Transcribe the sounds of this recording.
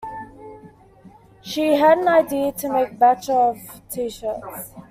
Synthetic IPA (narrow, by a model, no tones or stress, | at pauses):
ʃiɦədə̃naɪdiətʰəmeɪk̚bat͡ʃəv̥tʰiʃəˑts